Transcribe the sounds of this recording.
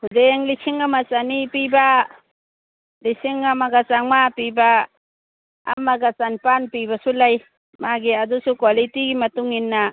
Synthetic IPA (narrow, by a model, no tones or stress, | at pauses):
hudeŋlikʰiŋamat͡ʃanipiba | lisiŋamaɡat͡ʃaŋmapiba | maɡat͡ʃanpanpibasulaj | maɡiadusukwalitiɡimɐtuŋinːa